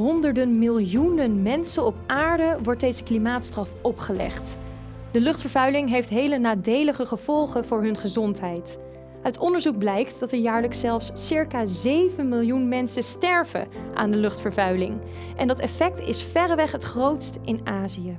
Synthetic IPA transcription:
ɦɔndəɹdənmɪlˠjunənmɛnsənɔpaːɹdəʋɔɹt̚dejzəklimaːtstrɑfʔɔpχəlɛ̰χt | d̥əlɵχtfəɹvœɥlɪŋɦejftɦejlənaːdejləχəχəv̥ɔlˠχəvʊːɹɦɵnχəzɔntɦɛjt | œɥtɔndəɹzuɡ̚blɛjktdɑtɛɹjaːɹləksɛlˠfsːɪɹkaːzejvənmɪlˠjunmɛnsəstɛɹv̥ə̰ʔa̰ːndəlɵχtfəɹvœɥlɪŋ | ʔɛndɑtɛfɛk̚tɪsfɛrəʋɛχɦətχrowtstɪnaːzijə

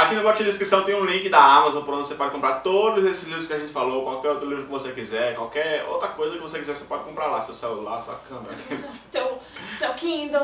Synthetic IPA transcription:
akinʊbɔt͡ʃĩd̪ɐĩskɾisɐ̃w̃t̪ẽj̃ũlĩkɪd̪ɐamazõpoɾõnd̪osepɔd͡ʒɪkõmpɾaɾt̪od̪ʊzesɪzlivɾʊskɪaʒẽnt͡ʃɪ̥falokwawkɛɾowt̪ɾʊlivɾʊkɪvosekizɛɾkwawkɛɾo̰wt̪ɾɐkojzɐkɪvosekizɛɾsepɔd͡ʒɪkõpɾaɾlasewsɛwla̰sa̰kɐ̃baʒẽɪ̥sewsewkĩd̪o

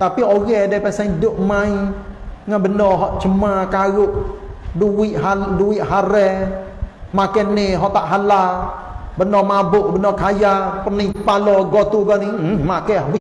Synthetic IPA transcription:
t̪apioɣɛdapɛsaidʊʔmaiŋanbənɔɦɔʔt͡ʃəmakaɣʊʔ | duwɪʔɦaduwɪʔɦaɾɛ | makɛnɪɦɔʔt̪aʔɦala | bənɔmabʊʔbənɔkʰajapənipalɔɡɔt̪uɡɔnimakɛɦbə

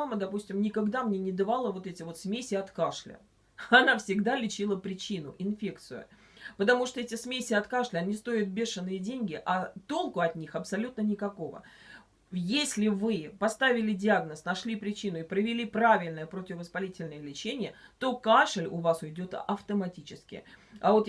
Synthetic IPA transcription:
aməd̪ɐpusʲtʲɪmnʲɪkaɡd̪amnʲenʲɪd̪avalˠəvo̞t̪ɛtʲɪvo̞t̪smʲesʲɪɐt̪kaʂlʲə̰ | ɐnafsʲɪɡd̪alʲɪt͡ɕilˠəpɾʲɪt͡ɕin̪ʊ̰ʔɪnfʲe̞kt̪sɨjʊ̰ | pət̪ɐmuʂt̪oɛtʲɪsmʲesʲɪɐt̪kaʂlʲɪɐnʲist̪o̞ɪt̪̚bʲe̞ʂɨnːɨjədʲenʲɡʲɪʔɐt̪o̞lˠkʊɐt̪ʲnʲixɐpsɐlʲut̪nənʲɪkɐko̞və̰ | jesʲlʲɪvɨpɐst̪avʲɪlʲɪdʲɪaɡnəsnɐʂlʲipɾʲɪt͡ɕinʊɪpɾəvʲɪlʲipɾavʲɪlʲnəjəpɾotʲɪvəspɐlʲitʲɪlʲnəjəlʲɪt͡ɕenʲɪjət̪o̞kaʂlʲʊvasʊjdʲo̞t̪ɐft̪əmɐtʲit͡ɕɪskʲɪ̰a̰vo̞t̪

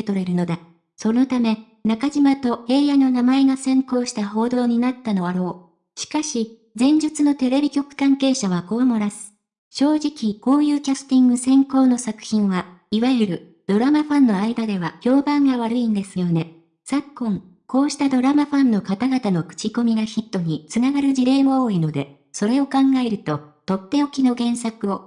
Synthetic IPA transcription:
t̪o̞ɾe̞ɾɯ̟no̞d̪a | so̞no̞t̪ame̞ | nakaʑimat̪o̞he̞ːjano̞namae̞ɡasẽ̞ŋko̞ːɕi̥t̪aɦo̞ːd̪o̞ːɲ̟inat̪ːano̞βaɾo̞ː | ɕi̥kaɕi | d͡zẽ̞ɲ̟d͡ʑɨt͡sɨno̞t̪e̞ɾe̞bʲikʲo̞kɯ̟̥kãŋke̞ːɕaβ̞ako̞amoɾasɨ̥ | ɕo̞ːʑikʲiko̞ːjɯ̟ːkʲasɨ̥t̪ĩŋɡɯ̟sẽ̞ŋko̞ːno̞sakɯ̟̥çĩɰ̃βaiβaɯɾɯ̟ | d̪̥o̞ɾamaɸãnːo̞aid̪ad̪e̞βaçʲo̞ːbãŋɡaβaɾɯ̟ĩnd̪e̞sɨjo̞ne̞ | sakːõ̞ŋ | ko̞ːɕi̥t̪ad̪o̞ɾamaɸãnːo̞kat̪aɡat̪ano̞kɯ̥t͡ɕiko̞mʲiɡaçit̪ːo̞ɲ̟it͡sɨnaɡaɾɯ̟ʑiɾe̞ːmooːino̞d̪e̞̰ | so̞ɾe̞o̞kãŋɡae̞ɾɯ̟t̪o̞t̪o̞t̪ːe̞okʲino̞ɡẽ̞ɰ̃sakɯ̟o̞

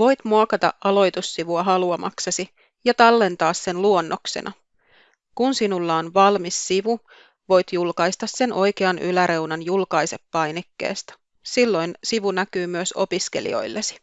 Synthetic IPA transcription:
ʋo̞jt̪muɑkɑt̪ɑ̰ʔʔʔɑlo̞jt̪usːiʋuɑɦɑluɑmʔɑ̰ksɑsi | jɑt̪ɑlːe̞nt̪ɑːsːe̞nluonːʔokse̞̰nʔɑ | kunsinulːɑonʋɑlmisːiʋu | ʋo̞jt̪julkɑjst̪ɑsːe̞nʔo̞jkeɑnʔylæɾe̞wnɑnjulkɑjse̞pːɑjnekːḛːst̪ɑ̥ | silːo̞jnsiʋunækyːmyøso̞̰piske̞̰lḭo̞̰jlːesi̥

